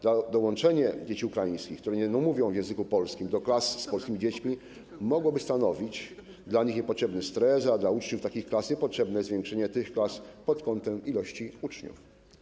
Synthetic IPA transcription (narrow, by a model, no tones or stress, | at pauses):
ad̪ɔwɔnt͡ʂɛɲɛd͡ʑet͡ɕiukɾajĩj̃skʲixkt̪uɾɛɲɛnɔmuvʲjɔ̃w̃vjɛ̃w̃zɘkupɔlskʲimd̪ɔklasːpɔlskʲimid͡ʑet͡ɕmʲi | mɔɡwɔbɘst̪anɔvʲit͡ɕ | d̪laɲixɲɛpɔtʂɛbnɛst̪ɾɛs̬ad̪laut͡ʂɲuft̪akʲixklasɲɛpɔtʂɛbnɛzvʲjɛŋkʂɛɲɛt̪ɘxklaspɔt̪kɔnt̪ɛmilɔɕt͡ɕiut͡ʂɲṵf